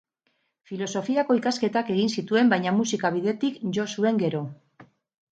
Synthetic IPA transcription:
filo̞so̞fiako̞ikaske̞t̪ake̞ɣinsit̪ue̞mbajɲamusikaβiðe̞t̪ikʝo̞sue̞ŋɡe̞ɾo̞

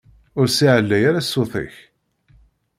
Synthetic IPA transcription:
ʊɾsiʕəlːæjaɾasːoθˤɪ̰ç

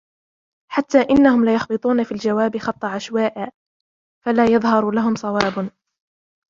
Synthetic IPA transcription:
ħat̪ːaːʔɪnːahʊmlɪjɑxbɨt̪ˤuːnafiːld͡ʒawaːbɪxɑt̪ˤːɑʕaʃwaːʔaː | falaːjɑðˤhɑɾˤlaɦʊmsˤɑwɑːb

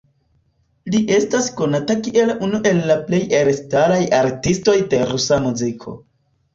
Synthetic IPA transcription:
liʔe̞stasko̞natakiʔe̞lunuʔe̞lːaple̞jeɾstalajaɾtisto̞jde̞ɾusamuzikʰo̞̰

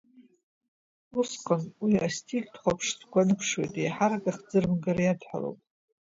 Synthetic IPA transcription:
usqʼənwiastʰʼiɡʲtʰχʷapʰʂdɡʷanɨpʰʂwejtʼejħaɾaɡʼaχd͡zɨrmɡaɾajadħʷa̰lo̰wpʼ

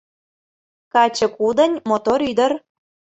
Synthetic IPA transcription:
kɑt͡ɕɤ̆kud̪ə̆nʲmot̪oɾyd̪ə̆r

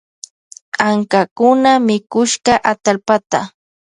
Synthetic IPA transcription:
qaŋkakʊnamɪkʊʃɢɑʔat̪alpat̪a

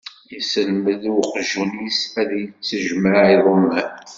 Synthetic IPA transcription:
jisəlməðwqʒunisæðjət͡sːəʒmaʕiðˤəmːæn

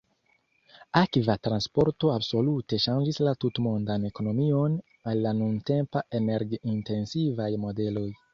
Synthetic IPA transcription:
akvatɾanspo̞ɾto̞abso̞lute̞ʃand͡ʒislatutmondane̞ko̞no̞mio̞n | alːanunte̞mpaʔe̞neɾɡinte̞nsivajmo̞de̞lo̞j

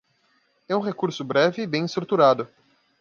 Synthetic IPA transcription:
ɛũɦekuɾsʊbɾɛvɪːbẽj̃ist̪ɾut̪uɾad̪ʊ

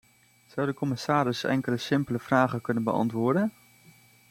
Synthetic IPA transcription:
z̥ʌwdəkɔmɪsaːɾɪsɛ̰ŋkələsɪmpələv̥raːχəkɵnənbəɑ̰ntʋʊːɹdən

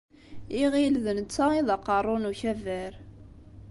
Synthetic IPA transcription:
iʁilðənt͡sːaiðɑqːɑrˤːonuçævæɾ

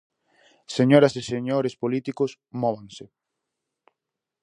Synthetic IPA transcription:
seɲoɾɐseseɲoɾespolit̪ikʊs | mɔβaŋse

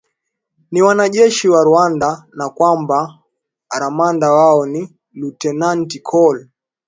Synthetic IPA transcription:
niwanaʄɛʃiwaɾuandanakwamba | ɾamandawaɔni | lutɛnantikʰɔl

